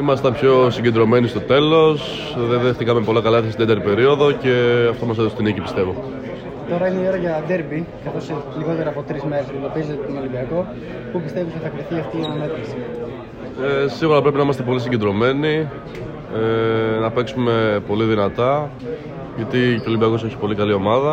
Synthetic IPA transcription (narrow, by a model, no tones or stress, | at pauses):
imɐst̪ɐnpço̞siɲɟe̞nd̪ɾo̞me̞nist̪o̞t̪e̞lo̞s | ðeðext̪ikɐmepo̞lɐkɐlɐt̪est̪id̪et̪ɐeɾipe̞ɾio̞ðo̞ce̞ɐft̪omɐs̬eðost̪inicipist̪e̞vo̞ | t̪o̞ɾɐine̞ioɾʝɐd̪eɾbikɐθoseliɣo̞t̪eɾɐːpo̞t̪ɾizme̞ɾesd̪opizet̪t̪onoliviɐko̞ | pupist̪evit̪oθɐkɾiθiɐft̪iɐnɐme̞t̪ɐksi̥ | esiɣuɾɐpɾe̞pinɐimɐst̪epo̞lis̬iɲɟed̪ɾo̞me̞ni | enɐpe̞ksume̞po̞liðinɐt̪ɐ | ʝɐt̪icolibiɐko̞s̬e̞çi̥po̞likɐlio̞mɐðɐ